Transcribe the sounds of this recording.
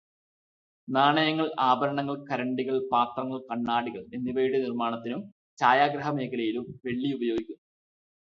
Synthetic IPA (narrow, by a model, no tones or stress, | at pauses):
naːɳɐjɐŋːɐɭaːbɐɾɐɳɐŋːɐɭkɐɾɐɳɖiɣɐɭpaːt̪rɐŋːɐɭkɐɳːaːɽiɣɐɭenːiʋɐjiɽɨnirmaːɳɐt̪ːinum | t͡ɕaːjaːɡɾɐɦɐme̞ːkʰɐlɐjilumʋe̞ɭːiubɐjoːɡikʲːunːɐ